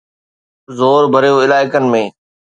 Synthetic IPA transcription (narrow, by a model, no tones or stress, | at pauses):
zoːɾbʱɐɾijoːɪlaːɪkənɪ̆mẽː